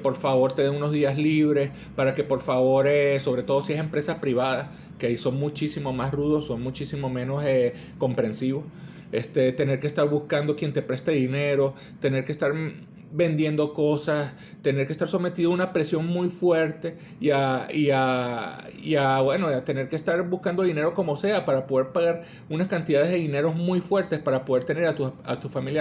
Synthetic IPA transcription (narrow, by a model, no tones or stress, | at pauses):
po̞ɾfaβo̞ɾt̪e̞ðeŋuno̞zðiazliβɾe̞s | paɾake̞po̞ɾfaβo̞ɾeso̞β̞ɾe̞t̪o̞ðo̞siese̞mpɾe̞saspɾiβaðas | keaiso̞ŋmut͡ʃisimo̞masruðo̞so̞ŋmut͡ʃisimomẽ̞no̞se | ko̞mpɾe̞nsiβo̞s | est̪e̞t̪ene̞ɾkest̪aɾβuskand̪o̞kje̞nt̪e̞pɾe̞st̪eðine̞ɾo̞ | t̪e̞ne̞ɾkest̪aɾ | be̞nd̪je̞nd̪o̞ko̞sas | t̪e̞ne̞ɾkest̪aɾso̞me̞t̪iðounapɾe̞sjo̞ŋmujfwe̞ɾt̪e̞ | iaia | iaβwe̞no̞at̪e̞ne̞ɾkest̪aɾbuskand̪o̞ðine̞ɾo̞ko̞mo̞se̞apaɾapo̞ð̞e̞ɾpaɣaɾ | unaskant̪iðaðe̞ðe̞ðine̞ɾo̞zmujfwe̞ɾt̪e̞spaɾapoð̞e̞ɾt̪e̞ne̞ɾat̪ua̰t̪ufamilja